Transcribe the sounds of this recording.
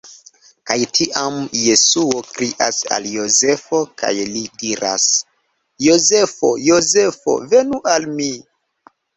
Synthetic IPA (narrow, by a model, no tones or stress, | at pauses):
kajtʰiʔamje̞suokɾiʔa̰sa̰ljoze̞fo̞ka̰jlidiɾa̰s | jo̞ze̞fo̞̰jo̞ze̞fo̞̰ve̞nuʔalmi